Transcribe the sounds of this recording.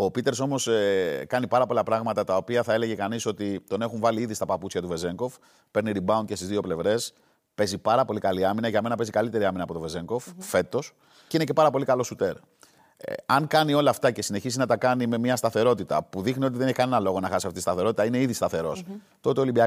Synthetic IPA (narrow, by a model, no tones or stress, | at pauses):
o̞pit̪e̞ɾso̞mo̞skɐnipɐɾɐpo̞lɐpɾɐɣmɐt̪ɐt̪ɐo̞piɐθɐe̞le̞ʝe̞kɐniso̞t̪it̪o̞ne̞xuɱvɐliiðist̪ɐpɐput͡sçɐt̪uve̞ze̞ŋko̞f | pe̞ɾniɾibɐunce̞st̪izðio̞ple̞vɾe̞s | pe̞zipɐɾɐpo̞likɐliɐminɐʝɐme̞nɐpe̞zikɐlit̪e̞ɾiɐminɐːpo̞t̪ve̞ze̞ŋko̞ffe̞t̪o̞s | ceinece̞pɐɾɐpo̞likɐlo̞sut̪e̞ɾ | ɐŋkɐnio̞lɐːft̪ɐce̞sine̞çizinɐt̪ɐkɐnime̞mɲɐst̪ɐθe̞ɾo̞t̪it̪ɐ̰puðixniot̪iðeneçikɐne̞nɐlo̞ɣo̞nɐxɐsiɐft̪ist̪ɐθe̞ɾo̞t̪it̪ɐine̞iðist̪ɐθe̞ɾo̞̰s | t̪o̞t̪eolimbiɐ